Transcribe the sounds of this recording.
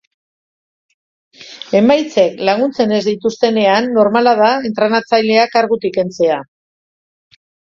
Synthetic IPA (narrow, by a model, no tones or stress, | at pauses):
e̞mbajt͡se̞klaɣ̞unt͡se̞ne̞zd̪it̪ust̪e̞ne̞anːo̞ɾmalað̞ae̞nt̪ɾanat͡sajle̞akaɾɣut̪ike̞nt͡se̞a